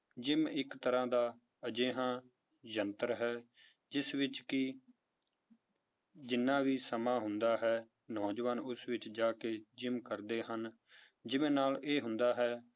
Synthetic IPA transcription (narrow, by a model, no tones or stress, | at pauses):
d͡ʒɪmɪkt̪əɾãːd̪aː | əd͡ʒeːɦãː | d͡ʒənt̪əɾɦɛː | d͡ʒɪsʋɪt͡ʃkɪ | d͡ʒɪnːãːʋiːsəmãːɦʊnd̪aːɦɛː | nɔ̃ːd͡ʒʋaːnʊsʋɪt͡ʃd͡ʒaːkeːd͡ʒɪmkəɾd̪eːɦən | d͡ʒɪʋẽːnaːleːɦʊnd̪aːɦɛː